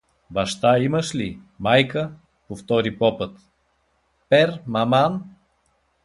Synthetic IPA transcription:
bɐʃt̪aiməʃli | majkə | poft̪ɔɾipɔpət̪ | pɛɾmɐman

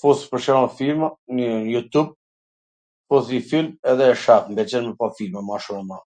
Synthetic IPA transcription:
fuspəɾʃɛɾɔɛfiɾmanəjut̪ub̚ | fɔθɲəfilmɛðɛːʃapmbɛt͡ʃɛnmɛpafiɾmamaʃumma

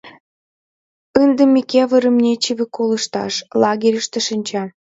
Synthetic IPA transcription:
ənd̪ə̆mʲekeβəɾə̆mnʲet͡ɕiβʲĕkolə̆ʃt̪ɑ̰ʃlɑɣʲeɾʲəʃt̪ĕʃənʲt͡ɕɑ

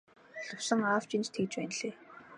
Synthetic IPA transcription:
ɮʊwsə̆ŋaft͡ɕint͡ɕt̪ʰekt͡ɕpæːnɮeː

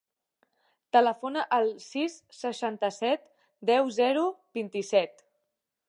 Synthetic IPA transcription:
t̪ələfonəʔəlˠsisːəʃant̪əsɛt̪ | d̪ɛwzɛɾubint̪isɛt̪

